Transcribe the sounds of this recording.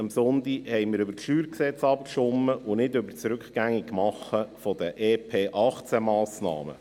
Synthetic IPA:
əmsʊnt̪ihɛɪmɪːɾɵbəɾtʃyːɾksɛt͡shɑbəkʃʊmːəʊnɪdʏbəɾt͡sɾʉkχɡ̥æŋːikkːmɑχːəfɔd̥̪əʔeːpʰeːʔɑχt͡səmɑːsnɑ̰ːmə̰

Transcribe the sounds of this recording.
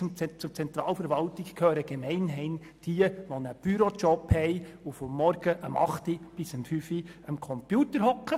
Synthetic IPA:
t͡sʊt͡sɛnt̪ɾɑːlfəɾʋɑltɪkkʰøːɾəɡ̥emɛɪnɦɛɪn | d̥iəʋɔnəb̥yɾot͡ʃɔphɛɪufɔmːɔɾɡ̥əʔəmɑ̰χtib̥ɪsəmfyfiəmkʰɔmpjuːtəɾɦɔkχə

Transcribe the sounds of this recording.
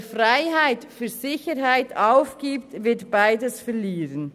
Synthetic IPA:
fʁaɪɦaɪtfyːɐzɪçəɾɦaɪtʰaʊfɡ̥iːptvɪtb̥aɪdəsfɛʁliːʁən

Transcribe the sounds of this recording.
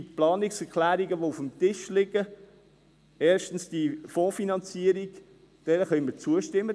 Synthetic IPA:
plɑːnɪksɛɾkʰlæːɾiɡəʋoufəmt̪ɪʃlɪɡə | ɛːɾʃtən̩sd̥ifoːfinɑnt͡siəɾiɡ | d̥ɛnəχœmət͡suəʃtɪmːə

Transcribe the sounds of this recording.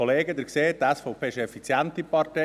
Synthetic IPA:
oleːɡəd̪əɾkseːtæsfɔpʰeːʃɛfit͡sjænt̪ipɑɾte

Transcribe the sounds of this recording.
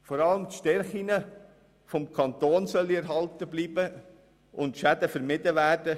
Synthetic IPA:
fɔɾɑləmt̪ʃtɛrχinə | fɔmkʰɑnt̪oːnsœlːiɛɾɦɑltəbliːbə | ʔʊntʃædəfəɾmɪdəʋæːrdə

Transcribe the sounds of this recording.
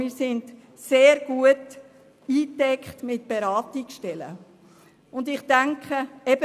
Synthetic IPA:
mɪːɾsɪnd | seːɾɡ̥uət | iːtɛkχtmɪt̚b̥eɾɑːtiksʃtɛlə̰ | ʊndɪχtaŋkχəɛb̥ə

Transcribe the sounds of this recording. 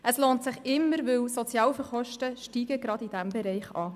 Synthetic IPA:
ʔəsloːntsɪχɪmːəɾʋɪwsɔt͡sjɑːwfəɾχɔʃtəʃtiːɡəɡ̥ɾɑdid̥æmbɛɾɛɪχɑː

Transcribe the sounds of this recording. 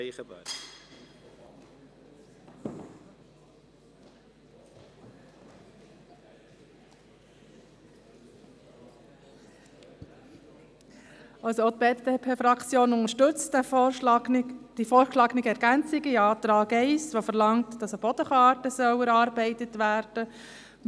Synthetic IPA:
ə | ɑlsoot̪̚beːtdeːpʰeːfɾɑkt͡sjoːnʊnəɾʃtʏt͡st | d̥ifoːɾkʃlɑːɡnɪɡəɛɾɡ̥ænt͡sɪɡiɑːtɾɑːɡɛɪsʋofəɾlɑŋtd̥ɑsəb̥ɔd̥əχɑːɾtəsœwɛɾɑːɾbɛɪtətʋæːɾd̥ə

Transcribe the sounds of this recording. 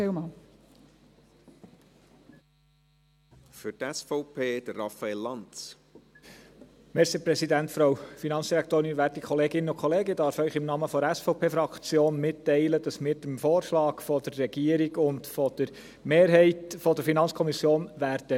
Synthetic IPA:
ɛmɑn | fʏtɛsfɔʊpʰeːd̥əɾɑfaelːɑnt͡s | mɛɾsipɾɛsidæntfɾɑwfinɑnsd̥iɾækt̪oːɾɪnʋæːɾtikʰχɔleːɡɪnənʊkχɔleːɡəd̥ɑːɾfœʏχɪmnɑːməfɔɾæsfɔʊpʰeːfɾɑkt͡sjoːnmɪtːɛɪlədɑsmɪːɾd̥emfoːɾʃlɑːɡfɔdərːɛɡ̥iːəɾiɡʊndfɔd̥əɾ | meːɾɦɛɪtfɔdəɾfinɑnt͡skʰɔmisjoːnʋæːɾd̥ə

